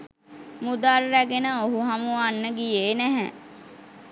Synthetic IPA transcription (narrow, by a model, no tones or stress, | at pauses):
mud̪aːlɾæɡenəoɦuɦamuanːəɡijeːnæɦɛ̰